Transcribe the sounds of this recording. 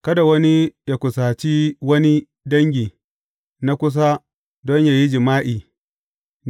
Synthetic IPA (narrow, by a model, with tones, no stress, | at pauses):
kɐ˦da˨wɐ˦ni˦ja˨kʷʊ˨saː˨t͡ʃi˦wɐ˦ni˦ | dɐ˦ŋɡʲiː˨ | na˦kʷʊ˦s̬a˦ | dɔ˦ɲja˨ji˦d͡ʒɪ˨maː˦ʔiː˨